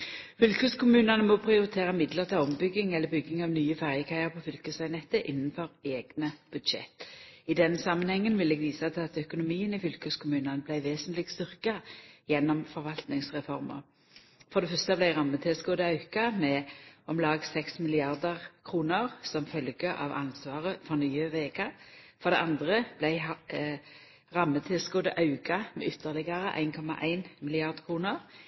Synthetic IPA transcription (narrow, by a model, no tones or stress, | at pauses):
fʏlkʉskʊmʉːnɑnəmɔpʰʁɪʊɾɪt̪ʰeːʁəmɪd̪ləʁt̪ʰɑɔmbʏɡɪŋɛlːəbʏɡːɪŋɑʋnyːəfæʁjəkʰæɪəʁpʰɔfʏlkəsɑɪnɛt̪ːəʔɪnːənfɔɾeːɡnəb̥ʉd̪ʃɛ̰t̪ːɪd̪ɛnsɑmːənhɛŋːənʋɪlɛːɡʋiːsɑt̪ʰɪlɑt̪œkʊnʊmiːənɪfʏlkəskʰʊmʉːnɑnəblæɪʋeːsənt̪lɪɡst̪ʏʁkɑjɛnːɔmfɔɾʋɑlt̪nɪŋsʁɛfɔʁmə̰ | fɔʁd̪ɛfœʁst̪əblæɪʁɑmːət̪ʰɪlsɡoːd̪əɑʉkɑmɛɔmlɑːɡsɛksmɪlɪɑʁd̪əʁkʰʁuːnəʁsɔmfœlɡəʔɑ̰ːʋɑ̰nsʋɑːʁəfɔɾnyːəʋeːkɑfɔɾd̪ɛ̰ɑnd̪ʁəb̥læɪ | ʁɑmːət̪ʰɪlsɡoːd̪ə̰ʔɑʉkɑmɛ̰ʔʏt̪ʰːəʁlɪɡɑɾəʔæ̰ɪnkʰɔmɑ̰ʔæ̰ɪnmɪlɪɑʁd̪kʰʁuːnəʁ